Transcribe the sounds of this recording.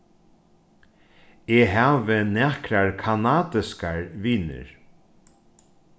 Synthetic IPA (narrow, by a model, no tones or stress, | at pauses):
eːɦaːʋɪnæːkɾaɹkʰanaːt̪ɪskaɹʋiːnɪ̰ɹ